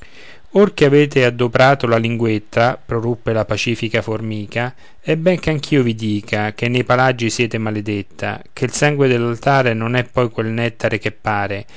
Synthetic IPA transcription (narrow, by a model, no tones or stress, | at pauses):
orkeaveːt̪̬ead̪ːopɾaːt̪olaliŋɡwet̪ːapɾorupːelapat͡ʃiːfikaformiːka | ɛbːɛŋk̟eaŋk̟ʰiːovid̪iːkʰak̟enːejpalad͡ʒːisjɛːt̪emaled̪et̪ːa̰k̟ʰeilsaŋɡwed̪elːalt̪aːɾenonɛpːɔjkwelnɛt̪ːaɾek̟epːaːɾe